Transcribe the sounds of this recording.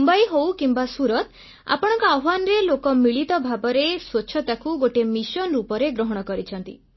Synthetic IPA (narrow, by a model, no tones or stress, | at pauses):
mbɔjɦowkimbasuɾɔt̪ | a̰pɔɽ̃ɔ̃ŋkɔaanɔɾelokɔmiɭit̪ɔbʱabɔɾeswot͡ʃʰɔt̪akuɡoʈemisɔnɾupɔɾeɡɾɔɦɔɽ̃ɔkɔɾit͡ʃʰɔnt̪ḭ